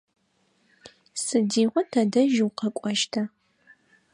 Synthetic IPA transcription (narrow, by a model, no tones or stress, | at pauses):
sɨdiːʁʷɔtʰɐdɐʒwqɐkʷʼɔʃtʰɐ